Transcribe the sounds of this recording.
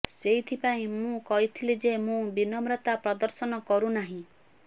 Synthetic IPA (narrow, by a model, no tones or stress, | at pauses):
seɦit̪ʰipaĩmũkɔɦit̪ʰilid͡ʒemũbinɔmɾɔt̪apɾɔd̪ɔɾsɔnɔkɔɾunaɦĩ